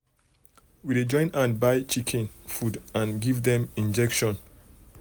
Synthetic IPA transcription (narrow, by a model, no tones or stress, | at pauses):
wided͡ʒɔ̃ɪ̃nãnbaɪt͡ʃikʰɛ̃nfudãnɡivdɛ̃mĩnd͡ʒɛkʃɔ̃n